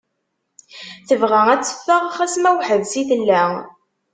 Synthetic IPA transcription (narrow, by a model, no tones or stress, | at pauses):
θəvʁææt͡sːə̥fːəʁaχæsmæwħəðsiθəlːæ